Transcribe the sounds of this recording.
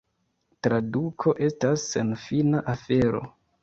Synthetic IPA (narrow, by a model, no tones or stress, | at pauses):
tɾadukʰo̞ʔe̞stasːe̞nfinaʔafe̞ɾo̞̰